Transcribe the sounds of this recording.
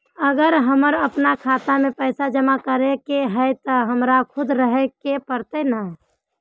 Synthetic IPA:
əɡəɾɦəməɾəpnakʰat̪amẽpəɪsad͡ʒəmakəɾekeɦɛɪt̪əɦəmɾakʰʊd̪ɾəɦekepəɾt̪enəɦ

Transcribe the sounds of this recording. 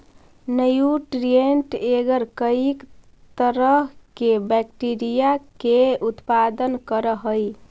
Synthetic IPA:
nəjuʈɾieɳʈeɡəɾkəik | t̪əɾəɦkebɛkʈiɾijakeut̪pad̪ənkəɾəɦəj

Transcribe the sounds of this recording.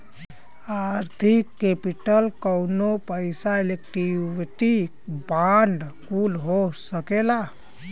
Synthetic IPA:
aɾt̪ʰikːepiʈəlkəwnopəɪsailek̚ʈiʋiʈi | baɳɖkulɦosəkela

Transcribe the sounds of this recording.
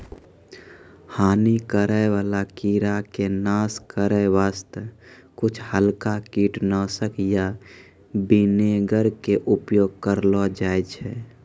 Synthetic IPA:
haːnikəɾəeʋaːlakiɾakenaːskəɾəeʋaːst̪kʊt͡ʃʰhəlkakiːʈnəsəkja | bineɡəɾkeʔʊpjoːɡ̚kəɾlɔd͡ʒaːɛt͡ʃʰɛ

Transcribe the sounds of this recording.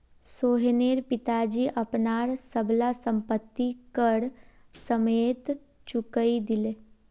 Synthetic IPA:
soːɦeneːɾpɪt̪ad͡ʒiʔɐpnaːɾsəblasə̃mpət̪ːikəɽ | səmeːt̪ | t͡ʃʊkəid̪ɪleː

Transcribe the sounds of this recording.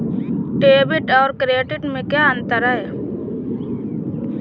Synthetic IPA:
ʈeːbɪʈɔːɾkɾeːʈɪʈmẽkjaːənt̪əɾaɦɛː

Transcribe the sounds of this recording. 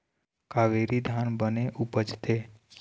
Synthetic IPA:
kaːʋeːɾid̪ʱanbəneʔupət͡ʃt̪ʰe

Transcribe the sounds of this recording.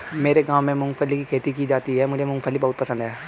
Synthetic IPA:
meːɾeɡãːʋmẽmʊ̃ŋɡpʰəlːikikʰeːt̪ikid͡ʒaːt̪iɦɛmʊd͡ʒʱemʊ̃ŋɡpʰəlːibɐɦʊt̪̚pɐsə̃nd̪ɦɛː

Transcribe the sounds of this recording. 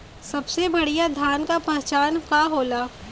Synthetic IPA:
sɐbsebɐɽijad̪ʱjaːnkapɛɦɛt͡ʃaːnkaɦoːlaː

